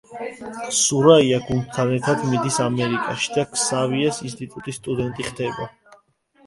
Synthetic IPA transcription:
suɾaiaɡund̪̚t̪ʰanɛɾt̪ʰad̪mid̪isamɛɾikʼaʃi̥d̪akʰsaviasins̬t̪ʼit̪ʼut̪ʼisːt̪ʼud̪ɛnt̪ʼiχd̪ɛba

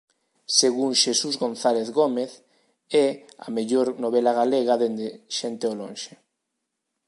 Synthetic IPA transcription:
seɣuŋʃesuzɣonθaleθɣomeθ | ɛa̰meʎoɾnoβ̞elaɣ̞aleɣaðend̪eʃent̪eolõ̰ŋʃe

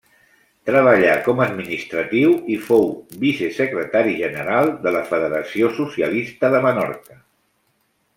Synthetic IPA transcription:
t̪ɾəβ̞əʎakɔməd̪minist̪ɾət̪iwifowbisesəkɾət̪aɾiʒənəɾalˠd̪ələfəðəɾəsiosusiəlist̪əðəmənɔɾkə

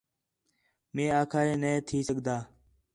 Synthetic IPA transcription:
mẽːaːkʰaːẽːneːt̪ʰiːsəɠd̪aː

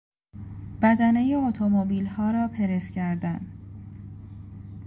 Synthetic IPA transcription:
b̥æd̪ænejeot̪ʰomobiːlhɒːɾɒːpʰeɾescʰæɾd̪æn

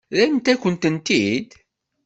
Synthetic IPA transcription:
ðæjmt̪ækːənt̪ənt̪id̪

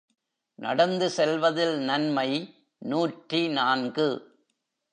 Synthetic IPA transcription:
nɐ̰ɽɐnd̪ɯsɛlʋɐðɪlnɐnmɐɪ | nuːʈrinaːnɡɯ

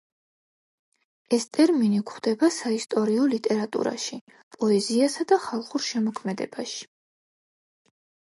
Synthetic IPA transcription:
ɛst̪ʼɛɾminikχd̪̥ɛbasaist̪ʼɔɾiɔlit̪ʼɛɾat̪ʼṵɾa̰ʃi | pʼɔɛziasad̪aχalˠχuɾʃɛmɔkʰmɛd̪ɛ̰baʃi̥

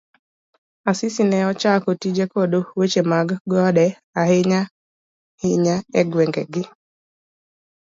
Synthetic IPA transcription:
asɪsinɛɔt͡ʃakotid͡ʒekodowet͡ʃemaɡɡɔɔɗɛ | aɦɪɲa | hɪɲaɛɡwɛŋɡɛɡɪ

